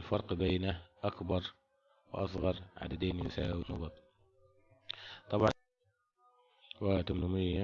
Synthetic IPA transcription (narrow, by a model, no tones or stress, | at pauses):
lfɑɾˤqbaːnaʔakbɑɾˤ | wɪ̰ʔɑsˤɣɑɾˤʕa̰d̪ad̪eːnjʊsa̰ːwnɑ̰ɡɑt̪ˤ | t̪ˤɑbʕɑ | wat̪amnʊmɪjːa